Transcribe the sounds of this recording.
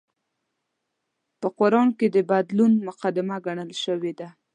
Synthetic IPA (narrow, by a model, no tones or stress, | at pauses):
pəqʊɾɑɳked̪əbad̪lunmʊqad̪ɪmaɡaɳəlʃəwed̪a